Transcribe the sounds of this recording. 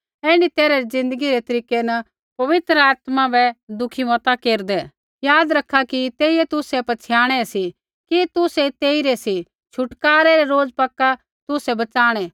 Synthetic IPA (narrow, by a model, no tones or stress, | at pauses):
eːɽ̃it̪eːɾaɾid͡zɪ̃nd̪əɡiɾɛt̪ɐɾiːkenɐ | pɐʋɪt̪ɾəaːt̪mabɛd̪ʊkʰimɔːt̪akeːɾd̪ɛ | jaːd̪ɾɐkʰːakit̪eːiɛt̪ʊsɛpɐt͡ʃʰɪjaːɽ̃ɛsi | kit̪ʊsɛt̪eːiɾɛsi | t͡ʃʰʊʈkaːɾɛɾɛɾoːd͡zpɐkːa | t̪ʊsɛbɐt͡saːɽ̃ɛ